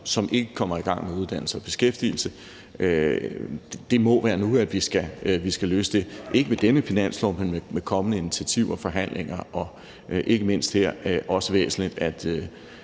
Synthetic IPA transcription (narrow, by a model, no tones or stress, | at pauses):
sɒ̽mʔe̝ɡ̥əkʰɒ̽m̰ɐiɡ̥ɑ̈ŋ̰meuð̞ˠd̥æn̰l̩səɒ̽b̥e̝sɡ̥efd̥ḭːl̩sə | ø̥ | d̥e̝mɒ̽ʋæːɐnuæd̥ʋisɡ̥æʋisɡ̥æløːsəd̥e̝ʔe̝ɡ̥əmed̥enəfinæn̰slɒʊmenmemekʰɒ̽mənəinit͡sʰiæt͡sʰiʊ̰ɐfɒ̽ɦæn̰lʔeŋ̰ɐʔɒ̽ | ʔe̝ɡ̥əme̝n̰sd̥heɐ̰ʔɒ̽səʋḛːsn̩lid̥æd̥